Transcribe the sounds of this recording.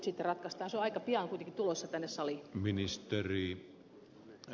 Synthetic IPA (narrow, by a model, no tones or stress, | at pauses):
t̪sit̪ːerɑt̪kɑst̪ɑːnseoɑikɑpiɑnkuit̪eŋkit̪ulosːɑt̪ænːessɑliminist̪eriː